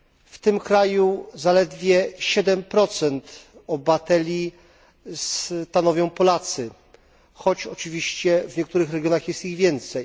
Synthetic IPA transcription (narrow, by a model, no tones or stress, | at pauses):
ft̪ɘmkɾajuzalɛd̪vʲjɛɕɛd̪ɛmpɾɔt̪sɛnt̪ɔbat̪ɛlʲi | st̪anɔvʲjɔ̃w̃pɔlat̪sɘ | xɔt͡ɕɔt͡ʂɘvʲiɕt͡ɕɛvɲɛk̚t̪uɾɘxɾɛɡʲjɔnaxjɛst̪iɣvʲjɛnt̪sɛj